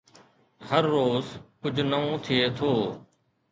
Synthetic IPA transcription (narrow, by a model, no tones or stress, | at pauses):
həɾːoːzkʊd͡ʒʱnəũːt̪ʰɪeːt̪ʰoː